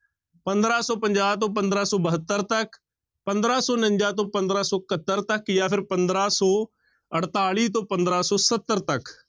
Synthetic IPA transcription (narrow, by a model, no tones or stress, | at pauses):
pɐ̃nd̪ɾaːsɔːpə̃ɲd͡ʒaːt̪̬õːp̬ə̃nd̪ɾaːsɔːbəɦət̪ːəɾt̪ɐk | pə̃nd̪ɾaːsɔːnə̃ɲd͡ʒaːt̪õːpɐ̃nd̪ɾaːsɔːkət̪ːəɾt̪ɐkjaːpʰɪɾpə̃nd̪ɾaːsɔː | əɽt̪aːɭiːt̪̬õːpə̃nd̪ɾaːsɔːsət̪ːəɾt̪ɐk